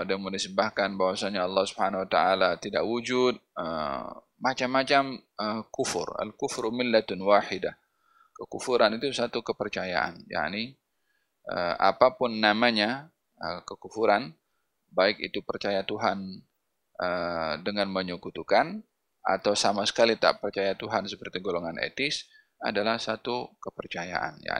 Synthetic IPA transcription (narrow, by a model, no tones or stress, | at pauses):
adamondisəmbahkanbawasaɲaɑlːɑhsubhanawat̪aʔalat̪idaʔwud͡ʒʊt̪̚ə̰ | mat͡ʃamːat͡ʃaməkufʊ̰ra̰lkʊfɾumɪlːat̪nwaħɪdah | kəkufuɾanit̪usat̪ukəpərt͡ʃaja̰ʔa̰nja̰ʔni | ʔə̰a̰papʊnːamaɲa | əkəkufuɾan | baɪkḭt̪upərt͡ʃajat̪uɦan | ədəŋanməɲukut̪ukan | a̰t̪awsamasə̥kalit̪a̰ʔpərt͡ʃajat̪uɦansəpərt̪iɡoloŋanʔḛt̪ɪs | a̰dalahsat̪ukəpərt͡ʃaja̰ʔa̰nja̰